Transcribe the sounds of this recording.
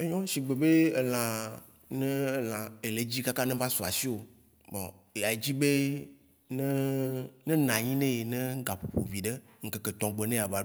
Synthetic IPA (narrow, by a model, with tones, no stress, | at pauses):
e˦ɲɔ̃˦si˨ɡ͡be˨be˦e˨l̃ã˨ | nẽ˦˨lã˨e˨le˨˦d͡ʑi˦ka˦ka˦nẽ˦va˦su˨a˨si˦o˨ | mɔ˨ | a˨e˨d͡ʑi˦be˦ | nɛ˦nẽ˦nã˨ɲĩ˦nẽ˦je˨nɛ̃˦ɡa˨ɸo˨ɸo̰˨vi˨ɖe˦ | ŋ̩˦ke˨ke˨t̪ɔ̃˨ɡ͡be˨nẽ˦˨a˨va˨